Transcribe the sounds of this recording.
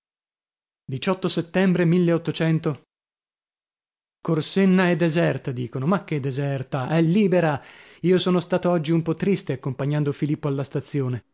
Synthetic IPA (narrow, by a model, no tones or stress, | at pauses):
d̪it͡ʃɔt̪ːoset̪ːɛmbɾemilːeot̪ːot͡ʃɛnt̪o | korsenːaed̪ːezɛrt̪ad̪iːkonomakːed̪ːezɛrt̪aʔɛlːiːbeɾa | iːosoːnost̪aːt̪oɔd͡ʒːiumpɔt̪ːɾist̪eakːompaɲːand̪ofilipːoalːast̪at̪sːjoːne